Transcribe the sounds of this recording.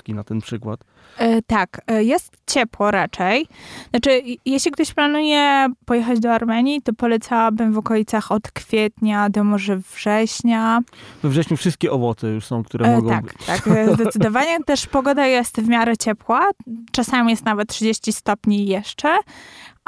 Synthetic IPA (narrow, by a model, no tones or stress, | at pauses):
kʲinat̪ɛnpʂɘkwa̰t̪ | t̪akjɛst̪t͡ɕɛpwɔɾat͡ʂɛjznat͡ʂɘjɛɕlʲikt̪ɔɕplanujɛpɔjɛxad͡ʑd̪ɔaɾmɛɲit̪ɔpɔlɛt̪sawabɘmvɔkɔlʲit̪saxɔt̪kfʲjɛt̪ɲad̪ɔmɔʐɛvʐɛɕɲavɛvʐɛɕɲufʂɘst̪kʲɛʔɔvɔt̪sɛjuʂsɔ̃w̃kt̪uɾɛmɡɔt̪akt̪akzzd̪ɛt̪ɘd̪ɔvaɲɛt̪ɛʂpɔɡɔd̪ajɛst̪vmʲjaɾɛt͡ɕɛpwat͡ʂasamʲijɛst̪navɛt̪̚tːʂɘd͡ʑeɕt͡ɕist̪ɔpɲijɛʂt͡ʂɛ